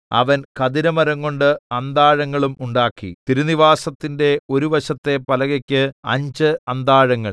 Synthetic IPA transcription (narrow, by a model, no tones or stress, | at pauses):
ɐ̰ʋɐnkɐd̪iɾɐmɐɾɐŋko̞ɳɖɨɐnd̪aːɻɐŋːɐɭumuɳɖaːkːḭt̪iɾuniʋaːsɐt̪ːinde̞o̞ɾuʋɐɕɐt̪ːe̞pɐlɐɣɐkʲːɨɐ̰ɲd͡ʑɨɐnd̪aːɻɐŋːɐɭ